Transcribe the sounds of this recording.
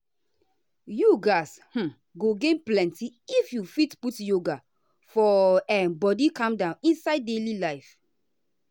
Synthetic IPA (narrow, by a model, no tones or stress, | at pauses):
juɡashm̩ | ɡoɡẽnplɛ̃ntiifjufitputjoɡa | fɔɛmbɔdikãmdãnĩnsaɪd̚delilaɪf